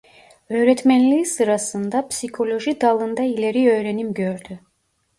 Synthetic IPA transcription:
ø̞ːɾɛt̪mænlʲiːsɯɾasɯnd̪apsikʰo̞lʲo̞ʒid̪alˠɯnd̪ailʲe̞ɾiø̞ːɾenimɟø̞ɾd̪y

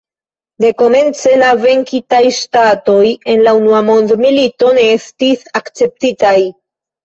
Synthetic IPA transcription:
de̞ko̞me̞nt͡se̞lave̞ŋkitajʃtato̞je̞nlaunuamo̞ndmilito̞ne̞estisakt͡se̞p̚titaj

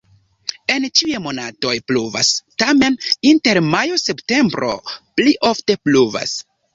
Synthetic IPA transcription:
e̞nt͡ʃiemo̞nato̞jpluva̰stame̞ninte̞ɾmajo̞se̞pte̞mbɾo̞̰pliʔo̞fte̞pluva̰s

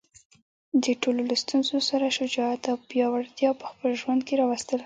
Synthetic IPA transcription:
d̪əʈololost̪unzosaɾaʃʊd͡ʒɑat̪awpjɑwaɾt̪jɑpə̥xpəlʒwand̪̚keɾɑwast̪əl

